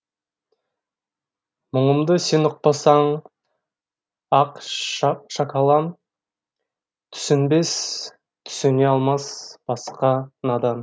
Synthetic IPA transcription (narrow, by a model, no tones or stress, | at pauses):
məɴəmd̪əse̞nʊq̚pɑsɑɴ | ɑq | ʃɑkɑlˠɑm | t̪ʰʏ̥sɪnbe̞s | t̪ʰʏ̥sɪneɑlˠmɑsb̥ɑsqɑnɑd̪ɑn